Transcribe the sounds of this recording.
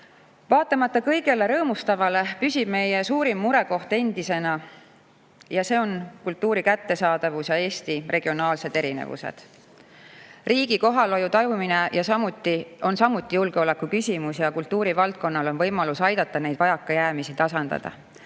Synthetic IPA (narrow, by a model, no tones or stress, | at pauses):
vɑːt̪ːˑemɑt̪ːˑɑkɤjɡ̥e̞le̞ɾɤːmust̪ɑvɑle̞pysʲib̥me̞jesuːɾimːuɾe̞ko̞ht̪e̞nd̪̥ise̞nɑ | jɑse̞ːo̞nkult̪ːuːɾikæt̪ːe̞sɑːd̪̥ɑvusjɑe̞ːst̪irʔe̞ɡ̥io̞nɑːlse̞d̪e̞ɾinḛvṵse̞̰d̪̥ | riːɡ̥iko̞ɦɑlo̞jut̪ɑjumine̞jɑsɑmut̪ːio̞nsɑmut̪ːˑijulɡ̥eo̞le̞kːˑukysʲimusjɑkult̪ːuːɾivɑlt̪̚ko̞nːɑlo̞nvɤjmɑlusɑjd̪̥ɑt̪ːˑɑne̞jd̪vɑjɑkːɑjæːmisit̪ɑsɑnd̪̥ɑ̰d̪̥ɑ̰